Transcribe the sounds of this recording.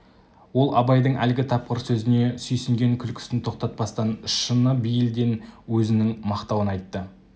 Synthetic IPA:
wo̞lˠɑbɑjd̪əɴæ̰lɡʲɪt̪ʰɑp̚qəɾsɵzɪne̞sʏjsɪŋɡʲe̞ŋkʲʰʏlkʲʰɪ̥sɪnt̪ʰo̞qt̪ɑt̪̚pɑst̪ɑnʃənəbijɪld̪e̞nwɵzɪnɪŋmɑqt̪ɑwənɑjt̪ːə

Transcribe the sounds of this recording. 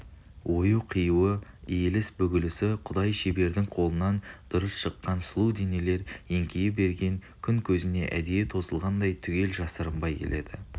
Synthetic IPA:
wʔo̞juqʰijuwəije̞lɪsbʏɡʲɪlɪsɪqʰʊd̪ɑjʃebe̞ɾd̪ɪŋqʰo̞lˠənɑnd̪̥ʊɾəsʃəqːɑnslˠuwd̪e̞nele̞ɾeŋkʲejɪbe̞ɾɡʲe̞ŋkʲʰʏŋkʲʰɵzɪne̞ʔæ̰d̪ejet̪ʰo̞səlˠʁɑnd̪ɑjt̪ʰʏɡʲe̞lʒɑsəɾəmbɑjkʲʰe̞̰lʔe̞̰d̪̥ɪ̰

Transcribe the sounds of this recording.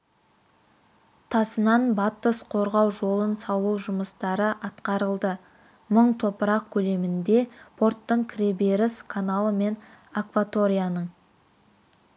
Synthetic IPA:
t̪ʰɑsənɑnbɑt̪ːəsqʰo̞ɾʁɑwʒo̞lˠənsɑlˠuwʒʊməst̪ɑɾəʔɑt̪qɑɾəlˠd̪ə | məɴt̪ʰo̞pəɾɑq̚kʲʰɵle̞mɪnd̪e̞pʰo̞rt̪ːəɴkʲʰɾebeɾɪskʰanalˠəme̞nakvat̪o̞ɾijanəɴ

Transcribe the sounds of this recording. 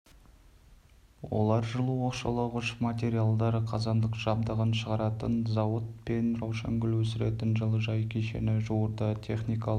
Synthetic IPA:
wo̰lˠɑɾʒəlˠuwoqʃɑlˠəʁʊʃmat̪ʲe̞ɾijalˠd̪ɑɾəqʰɑzɑnd̪əqʒ̥ɑb̚d̪əʁənʃəʁɑɾɑt̪ənzɑwət̪̚pe̞nrɑwʃɑ̰ŋɡʲʏlwɵsɪɾḛt̪ɪnʒəlˠəʒɑjkʲʰeʃe̞̰nɪʒuwəɾd̪ət̪ʲʰe̞χnijkɑ

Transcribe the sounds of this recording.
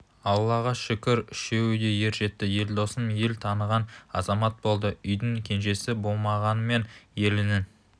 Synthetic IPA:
ɑlˠːɑʁɑʃɪkʲɪɾʏʃe̞wɪd̪e̞je̞ɾʒe̞t̪ːɪje̞ld̪o̞səmje̞lt̪ʰɑnəʁɑnɑ̰zɑmɑt̪̚bo̞lˠd̪əʏjd̪ɪŋkʲʰe̞nʒe̞sɪbo̞lˠmɑʁɑnəme̞nje̞lɪnɪ

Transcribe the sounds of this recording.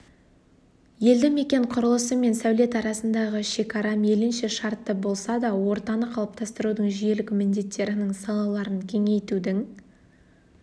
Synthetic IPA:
je̞ld̪ɪme̞kʲe̞ɴqʰʊɾəlˠəsəme̞nsæwle̞t̪ɑɾɑsənd̪ɑʁəʃe̞kɑɾɑme̞lɪnʃe̞ʃɑɾt̪ːəbo̞lˠsɑd̪ɑwo̞ɾt̪ɑnəqʰɑlˠəp̚t̪ɑst̪əɾud̪əɴʒije̞lɪkmɪnd̪e̞t̪ːe̞ɾɪnɪŋsɑlˠɑlˠɑɾənkʲʰe̞ŋe̞jt̪ud̪ɪŋ

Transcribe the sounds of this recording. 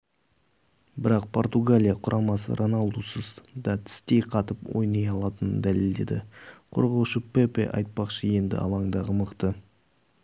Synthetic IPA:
bɪɾɑqpʰo̞rt̪uɡalʲijaqʰʊɾʔɑmɑsə̰ɾʔonɑlˠd̪usəzd̪ɑt̪ʰɪ̥st̪e̞jqʰɑt̪əpwo̞̰jnɑjɑlˠɑt̪ənə̰nd̪æle̞ld̪e̞̰d̪ɪqʰo̞̰ɾʁɑwʃəpepḛʔɑ̰jt̪̚pɑqʃəje̞nd̪ɪ̰ɑ̰lˠɑɴd̪ɑʁəməqt̪ə

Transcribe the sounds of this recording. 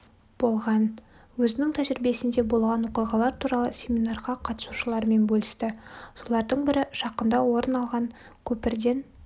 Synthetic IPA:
b̥o̞lˠʁɑn | wɵzɪnɪŋt̪ʰæʒɾɪbe̞sɪnd̪e̞bo̞lˠʁɑnwoqijʁɑlˠɑɾt̪ʰuɾɑlˠəsʲe̞mʲinɑrʁɑqʰɑt̪əsuʃəlˠɑɾme̞nbɵlʲˠɪst̪ɪso̞lˠɑɾd̪əɴbɪɾɪʃɑqənd̪ɑwo̞ɾənɑlˠʁɑŋ | kʲʰɵpɪɾd̪e̞n

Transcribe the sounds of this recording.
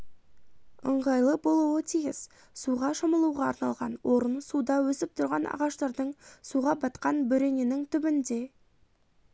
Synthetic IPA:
ə̰ɴʁɑjlˠəbolˠuwət̪ʰijɪz | suʁɑʃoməlˠuʁɑ̰ːɾnɑlˠʁɑnwʔo̞ɾənsud̪ɑwɵsɪp̚t̪ʰʊɾʁɑnʔɑ̰ʁɑʃt̪ɑɾd̪əɴsuʁɑbɑt̪qɑnbɵɾe̞nenɪŋt̪ʰʏbɪnd̪e̞

